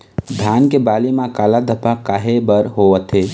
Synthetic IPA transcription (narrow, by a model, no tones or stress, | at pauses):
d̪ʱjaːnkebaːlimakaːlad̪ʱəpakaːɦebəɾɦoʋət̪ʰɦe